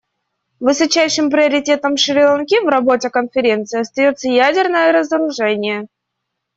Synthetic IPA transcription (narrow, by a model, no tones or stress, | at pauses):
vɨsɐt͡ɕæjʂɨmpɾʲɪəɾʲɪtʲe̞t̪əmʂɨɾʲɪlˠɐnkʲivrɐbo̞tʲɪkənfʲɪɾʲe̞nt̪sɨɪɐst̪ɐjo̞t̪səjædʲɪrnəjəɾəzəɾʊʐɛnʲɪjə